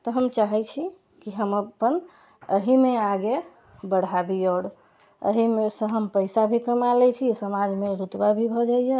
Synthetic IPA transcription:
t̪ɔɦəmt͡ʃaɦɛt͡ʃʰi | kiɦəməpːən | əɦimeaɡe | bəɽ̤abiɔɽ | ə̰ɦimesə̃ɦəmpəɪsabʱikəmalɛt͡ʃʰisəmad͡ʒmeɾut̪wabʱibʱɔd͡ʒaije

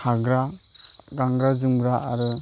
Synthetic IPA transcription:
aɡɾa | ɡaŋɡɾad͡ʒɯmɡɾaaɾɯ

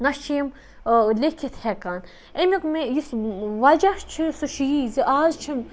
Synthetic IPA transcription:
nɐʃt͡ʃʰim | lekʰit̪hɛkaːn | emʲikmejisʋad͡ʒaʃt͡ʃʰisuʃijiziʔaːzt͡ʃʰim

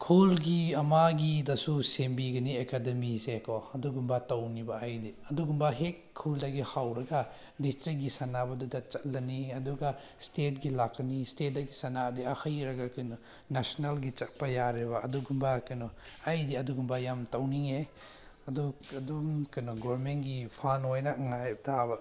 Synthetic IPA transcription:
kʰulɡiɐmaɡidɐsusembiɡɐniekademisekʰɔɐduɡumbɐtɐwnibaajdiɐduɡumbɐɦekʰːuldaɡihawɾɐɡa | distɾik̚ɡisɐnabɐdudɐt͡ʃɐtlɐniɐduɡa | stet̚ɡilakːɐnistet̚daɡisɐnadiahɐjɾɐɡakɐjnɔ | nasonalɡit͡ʃɐt̚pɐjaɾeβɐɐduɡumbɐkɐjnɔajdiɐduɡumbɐjamtɐwniŋe | ɐduɐdumkɐjnɔɡɔɾmentɡipʰanojnɐŋajp̚tʰabɐ

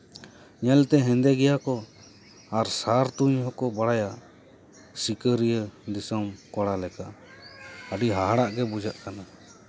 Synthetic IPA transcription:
ɲɛlt̪ɛɦɛ̃nd̪ɛɡɛjakɔ | aɾsaɾt̪uɲɦɔkɔbaɽaja | sikəɾijəd̪isɔmkɔɽalɛka | əɖiɦaɦaɽaʔɡɛbud͡ʒaʔkana

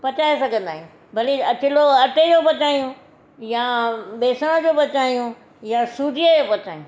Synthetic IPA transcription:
pɐt͡ɕaːɦesɐɡʱə̃nd̪aːɦĩjũ | bʱɐliɐt͡ɕɪloɐʈed͡ʑoːpɐt͡ɕaːĩjũ | jabeːsəɽ̃õd͡ʑoːpɐt͡ɕaːijũ | jasuːd̪ʱiəd͡ʑoːpɐt͡ɕaːĩj̃ũ

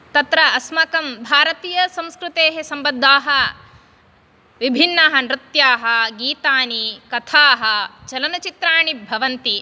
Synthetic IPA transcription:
t̪ɐt̪ɾɐːsmɐkɐmbʱaːɾɐt̪iːjɐsɐ̃mskɾut̪eːɦesɐmbɐd̪ʱːaːɦɐ | ʋibʱinːɐɦɐ̆nɾɪt̪jaːɦɐɡiːt̪aːnikɐt̪ʰaːɦɐt͡ʃɐlɐnɐt͡ʃit̪ɾaːɳibʱɐʋɐnt̪i

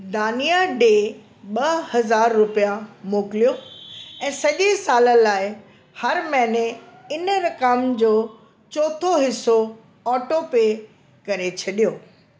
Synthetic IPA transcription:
d̪aːnijaɖeː | ɓɐhɐzaːɾːʊpijamoːkɪlijoɛ̃ːsɐʄesaːlə̆laːɪ | hɐɾmɛ̃ːneɪnəɾɐkəmd͡ʑoː | t͡ɕoːt̪ʰoɦɪso | ɔːʈopeː | kɐɾet͡ɕʰɐɗijoː

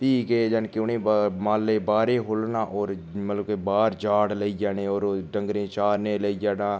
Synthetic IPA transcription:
piːkeːd͡ʒənkɪʊnẽːmaːleːbaːɾeːɦoːlnãːʔɔːɾmət̪ləkebaːɾd͡ʒaːɽləiːd͡ʒaːneːoːɾɖəŋɡɾẽːt͡ʃaːɾnẽːləiːd͡ʒaːɽãː

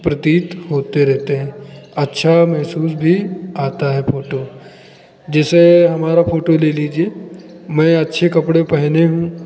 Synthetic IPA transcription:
pɾɐt̪iːt̪ɦoːt̪eɾɛɦt̪eɦɛ̃ːɐtːʃʰamɛɦsuːs̬bʱiaːt̪aɦɛfoːʈo | d͡ʒɛːseɦɐmaːɾafoːʈoleːliːd͡ʒiemɛ̃ɐtːʃʰekɐpɽepɛɦneɦũː

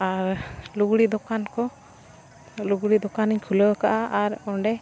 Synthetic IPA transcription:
aɾluɡɽid̪ɔkankɔ | luɡɽid̪ɔkaniɲkʰuləkaʔaʔaɾɔɳɖɛ

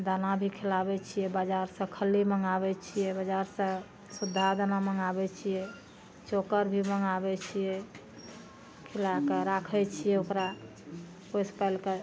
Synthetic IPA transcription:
d̪anabʱikʰelabɛt͡ʃʰijɛbəd͡ʒaɾsə̃kʰəliməŋɡaβɛt͡ʃʰijɛbəd͡ʒaɾsə̃ | sud̪ʱːad̪anaməŋɡabɛt͡ʃʰijɛ | t͡ʃokəɾbʱiməŋabɛt͡ʃʰijɛ | kʰelakeɾakʰɛt͡ʃʰijɛokɾa | pojspalke

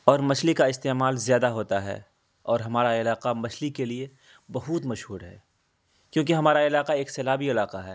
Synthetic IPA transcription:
ɔːɾmɐt͡ʃʰlikaɪst̪eːmaːlzjaːd̪aɦoːt̪aɦɛ̰ː | ɔːɾɦɐmaːɾaɪlaːqamɐt͡ʃʰlikelie | bɐɦut̪mɐʃɦuːɾɦɛ̰ː | kjõːk̬eɦɐmaːɾaɪlaːqaeːkseːlaːbiɪlaːqaɦɛ̰ː

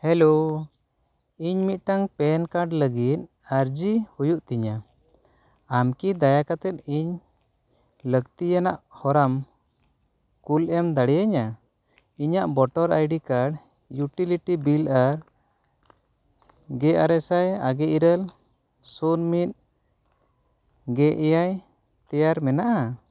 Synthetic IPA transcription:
hɛlo | iɲmit̪̚ˀʈaŋpɛnkaɖləɡit̪̚ | aɾd͡ʒihujuʔt̪iɲa | amkid̪ajakat̪ɛt̪̚iɲ | ləɡt̪ijanaʔhɔɾam | kulɛmd̪aɽɛjaɲa | iɲaʔbɔʈɔɾa̰jɖikaɽ | juʈiliʈibilaɾ | ɡɛʔa̰ɾɛsajaɡɛʔiɾəl | sunmit̪̚ | ɡɛʔɛjaj | t̪ɛjaɾmɛnaʔa

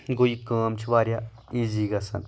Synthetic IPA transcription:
ɡoikaːmt͡ʃʰiʋaːɾja | iːziːɡɐsɐ̰n

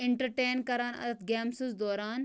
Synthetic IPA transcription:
ɪɳʈɐɾʈeːnkɐɾaːnɐ̰d̪ɐt̪ɡeːmsuzd̪oːɾaːn

